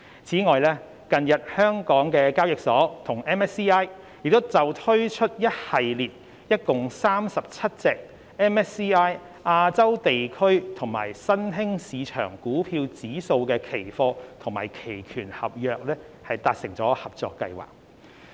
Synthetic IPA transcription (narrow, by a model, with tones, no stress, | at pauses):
t͡sʰiː˨˥ŋɔː˨jlɛː˥ | kɐ˨njɐ˨t̚hœː˥ŋkɔː˨˥ŋkɛː˧kaː˥wjɪ˨k̚sɔː˨˥t̪ʰʊ˨˩ŋɛː˥mɛː˥siː˥aː˥j | jɪ˨˩k̚t̪o˥wt͡sɐ˨wt̪ʰɵ˥ɥt͡ʃʰɵ˥t̚jɐ˥t̚hɐ˨jliː˨t̚ | jɐ˥t̚kʊ˨ŋsaː˥msɐ˨p̚t͡sʰɐ˥t̚t͡sɛː˧k̚ | ɛː˥nɛ˥siː˥aː˥j | ʔaː˧t͡sɐ˥wt̪e˨jkʰɵ˥ɥt̪ʰʊ˨˩ŋma̰ː˨˩jsɐ˥nɦɪ˥ŋsiː˨˧t͡ʃʰœ̰ː˨˩ŋkuː˨˥pʰiː˧wt͡siː˨˥so˧wkɛː˧kʰe˨˩jfɔː˧t̪ʰʊ˨˩ŋma̰ː˨˩jkʰe˨˩jkʰyː˨˩nhɐ˨p̚jœː˨k̚lɛː˥ | hɐ˨jt̪aː˧t̚sɪ˨˩ŋt͡sɔː˨˥hɐ˨p̚t͡sɔ̰ː˨˧kːɐ̰˧jwa̰ː˨k̚